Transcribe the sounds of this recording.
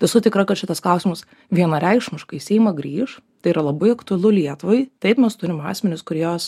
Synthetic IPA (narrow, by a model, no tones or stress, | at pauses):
ʋʲɪsʊt̪ʲɪkɾɐkɐt̪ʃʲɪt̪ɐsklˠɐʊsʲɪmɐs | ʋʲiɛnɐɾʲɛɪkʃmʲɪʃkɐɪsʲɛɪmɐɡɾʲiːʃ | t̪ɐɪiɾɐlˠɐbɐɪɐkt̪ʊɐlˠʊlʲiɛt̪ʊʋɐɪt̪ɐɪpmʲɛst̪ʊɾʲɪmɑ̰ːsʲmʲɛnʲɪskʊɾʲijoːs